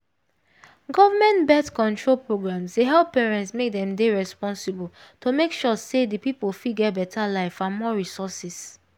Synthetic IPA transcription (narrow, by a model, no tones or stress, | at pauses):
ɡɔvamɛ̃ntbɛtkɔ̃ntɹolpɹoɡɹãmseɦɛlppːeɹɛ̃ntsmek̚dɛ̃mdeɹɛspɔ̃nsibəltʰomekʃɔsedəpipolfiɡɛt̚bɛtʰalaɪfãnmɔɹisɔsis